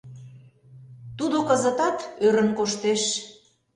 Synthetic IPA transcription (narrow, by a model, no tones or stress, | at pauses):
t̪ud̪okə̆zə̆t̪ɑt̪øɾə̆nkoʃt̪eʃ